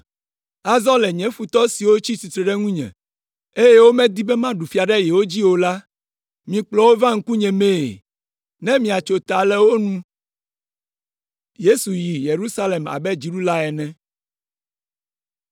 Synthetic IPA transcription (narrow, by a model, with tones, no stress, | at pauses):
a˨zɔ̃˦lɛ˨ɲɛ̃˦fu˨t̪ɔ˦si˨wo˦t͡ɕi˦si˨t̪ɾɛ˨ɖɛ˦ŋũ˦ɲɛ̰̃˨ | e˦jɛ˦wo˦mɛ̃˦d̪i˦bɛ˦mã˦ɖu˨fi˨˦a˨ɖɛ˦jɛ˨wo˦d͡ʑi˦wo˨la˦ | mĩ˨k͡plɔ˨˦wo˦vã˦ŋ̩˦ku˦ɲɛ̃˨mẽ˦˨ | nɛ̃˦mĩ˨a˨t͡ʃo˨t̪a˨lɛ˨wo˦nũ˦ | je˦su˨ji˨je˨ɾu˦sa˦le˨ma̰˨bɛ˦d͡ʑi˨ɖu˦la˦ɛ˨nɛ̃˦